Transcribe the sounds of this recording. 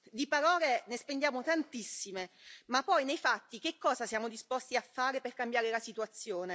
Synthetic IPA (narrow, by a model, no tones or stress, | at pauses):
d̪ipaɾɔːlenespend̪jaːmot̪ant̪isːimemapːɔjnejfat̪ːik̟ekːɔːzasjaːmod̪ispɔst̪iafːaːɾeperkambjaːɾelasit̪uat̪sːjoːne